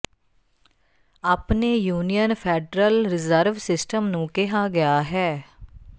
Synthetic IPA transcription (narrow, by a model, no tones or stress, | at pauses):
aːpneːjuːnijənpʰɛːɖɾəlɾɪzəɾʋsɪsʈəmnũːkɪɦaːɡɪjaːɦɛː